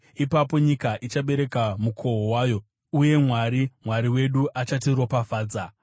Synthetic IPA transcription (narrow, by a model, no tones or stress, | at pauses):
ipapo̞ɲikaʔit͡ʃaɓe̞ɾe̞kamukʰo̞ɦowaːjo̞ | uje̞mwaːɾimwaɾiwe̞ɗuʔat͡ʃatiro̞pafaːd͡za